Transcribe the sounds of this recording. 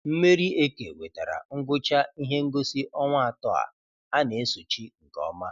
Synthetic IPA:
m̩˦me˦ɾi˦e˦ke˨we˨ta˨ɾa̰˨ŋ̩˦ɡʊ˦t͡ʃa˦i˦ɦe˦ŋ̩˦ɡo˦si˦ʔɔ˦ŋʷ˦a˨tɔ˦a̰˨ | a˦ne˨e˦su˨t͡ʃi˦ŋ̩˨kɔ̰˦ma˦

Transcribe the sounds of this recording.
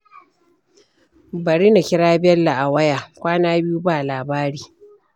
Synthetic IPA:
bɐ˨ɾiː˦na˨kʲɪ˦ɽaː˦bɛ˦lːa˨ʔa˨wɐ˦jaː˨kʷaː˦naː˦bɪ˦ju˦baː˦˨laː˨baː˦ɾiː˨

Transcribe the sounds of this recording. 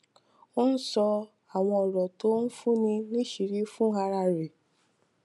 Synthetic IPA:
o˦n̩˦sɔ˧ | a˨w̃ɔ̃˧ɔ˨ɾɔ˨to˨˦n̩˦fu˦nĩ˧nĩ˦ʃi˨˧ɾi˨˦fũ˦a˧ɾa˧ɾe˨

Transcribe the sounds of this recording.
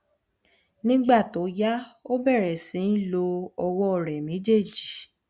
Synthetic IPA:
nĩ˦ɡ͡ba˦˨to˨˦ja˦o˦bɛ˦˨ɾɛ˨sĩ˨˦n̩˦lo˧ɔ˧wɔ˦ɔ˦˨ɾɛ˨mẽ˨˦d͡ʒe˦˨d͡ʒi˨˦

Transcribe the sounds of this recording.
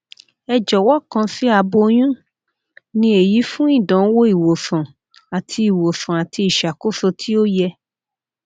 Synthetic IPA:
ɛ˧d͡ʒɔ˨wɔ˦kã˧si˦a˧bo˧j̃ũ˦ | nĩ˧e˨ji˨˦fũ˦i˦˨dã˨˦wo˦i˨wo˨sã˨ | a˨tʰi˧i˨wo˨sã˨a˨tʰi˧i˨ʃa˨ko˦so˧tʰi˦o˦jɛ˧

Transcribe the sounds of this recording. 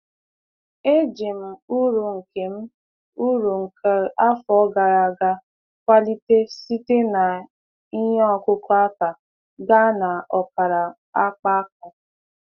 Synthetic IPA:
e˦d͡ʒe˨m̩˨u˦ɾu˨ŋ̩˨ke˨m̩˦ | u˦ɾu˨ŋ̩˨kə˨˦a˦fɔ˨˦ɡa˨ɾa˨ɡa˦ | kʷa˦li˦te˦si˦te˦na˨ | i˦ɲɔ˦˨kʊ˦kɔ˦a˦ka˨ | ɡa˦na˨ɔ˨ka˨ɾa˨ | a˦k͡pa˦a˦k̚ɔ˨

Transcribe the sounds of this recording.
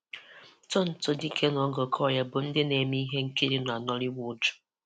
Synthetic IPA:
tɔ˦n̩˨tʊ˦di˦kʰe˦nɔ˨˦ɡɔ˨kʰɔ˦˨ja˦bʊ˨n̩˦dɪ˦ne˨mi˦i˦ɦe˦ŋ̩˦ki˦ɾi˦n˨a˨nɔ˦li˦wu˦d

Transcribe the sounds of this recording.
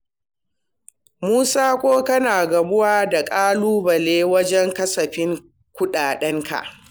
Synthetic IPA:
muː˦saː˦kʷoː˦kɐ˦naː˨ɡɐ˨bʊ˦waː˦da˨kʼaː˦luː˦bɐ˨leː˦wɐ˦d͡ʒɛ˦ŋkɐ˦sɐ˨ɸɪ˦ŋ | kʷʊ˦ɗaː˨ɗɛ˦ŋkʰa̰˨ʔ

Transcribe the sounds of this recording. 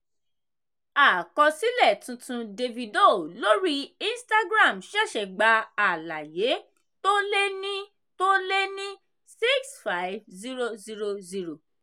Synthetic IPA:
a˨kɔ˧si˦lɛ˦˨tũ˧tũ˧de˧vi˧do˦˨lo˦ɾi˦i˦n˦sta˦ɡɾa˦˨mʃɛ˦˨ʃɛ˨ɡ͡ba˧a˨la˨je˨˦ | to˦le˦nĩ˦ | to˦le˦nĩ˦ | si˦ksfa˦ivzi˦ɾo˧zi˦ɾo˧zi˧ɾo˨

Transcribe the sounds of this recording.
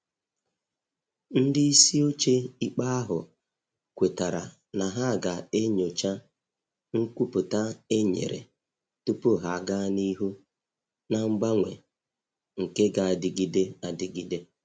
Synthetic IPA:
n̩˦dɪ˦i˦si˦o˦t͡ʃe˦i˦k͡pa˦a˦ɦʊ̰˨ | kʷe˨ta˨ɾa̰˨ | na˨ɦa˦˨ɡa˨e˦ɲo˨t͡ʃa˦ | ŋ̩˦kʷu˦pʊ˨ta˦e˦ɲḛ˨ɾḛ˨ | tu˦pʊ˦ɦa˨ɡa˦ni˦ɦu˦ | na˨ŋ͡m̩˦ɡ͡ba˦ŋʷe˨ | ŋ̩˨ke˦ɡa˨a˨dɪ˨ɡi˦de˦a˨dɪ˨ɡi˦de˦

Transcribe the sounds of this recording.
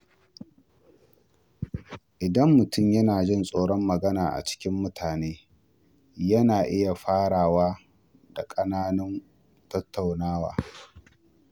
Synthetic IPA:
ʔɪ˨dɐ˦mːʊ˨tʊ˦˨mjɐ˦naː˨d͡ʒɪ˦nsʼoː˦ɽɔ˦mːɐ˨ɡɐ˦naː˨ʔa̰˨t͡ʃɪ̥˦kʲɪ˦mːʊ˦tʰaː˨neː˦ | jɐ˦naː˨ʔɪ˦ja˨ɸaː˦ɽaː˨waː˦ | da˨kʼɐ˦naː˦nɐ˦n | tɐ˦tʰːa˨wnaː˦wa̰ː˨

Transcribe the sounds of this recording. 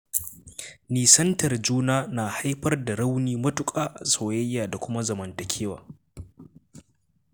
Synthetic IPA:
niː˨sɐ˦ntɐ˨rd͡ʒuː˦naː˦naː˨ha˦jɸɐ˦rda˨ɽa˦wniː˦mɐ˦tʊ˦kʼaː˨ʔa˨soː˨jɐ˦jːaː˨da˨kʷʊ˦ma˦zɐ˨mɐ˨ntɐ˨kʲʰeː˦wa̰ː˨

